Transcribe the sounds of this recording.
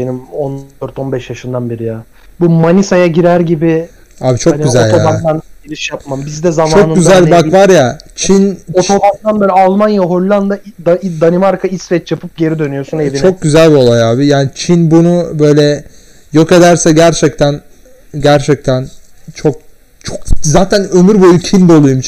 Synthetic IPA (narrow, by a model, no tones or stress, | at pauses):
benimond̪øɾt̪o̞nbɛʃjaʃɯnd̪anbiɾijaː | bumanisajaɟiɾæɾɟibɪ | aːbit͡ʃʰo̞n̚ɟyzælʲjt̪ʰoaamanilʲiʃjap̚mambizd̪ɛzamt͡ʃaonɯnɟyzælʲbakvaɾjat͡ʃʰinot̪ʰod̪ad̪anbøːlʲɛalˠmanjaɦo̞ɾlːˠand̪ad̪d̪animaɾkʰaisvɛt͡ʃjapʰɯp̚ɟe̞ɾid̪ø̞nyjosuneit͡ʃʰo̞k̚ɟyzælʲbio̞lˠajaːbijaːnit͡ʃʰinbunubø̞jlʲɛ | jo̞ke̞d̪æɾsɛɟæɾt͡ʃʰɛc̚t̪ʰæn | ɟæɾt͡ʃʰɛc̚t̪ʰænt͡ʃʰo̞k̚ | t͡ʃʰokzaːt̪ʰænø̞myɾbo̞jucʰind̪olˠujmt͡ʃ